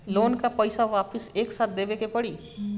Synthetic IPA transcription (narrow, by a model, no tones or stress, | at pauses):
lonkapʌjsawapʰʌseksat̪̚ʰd̪ebekepʌɽi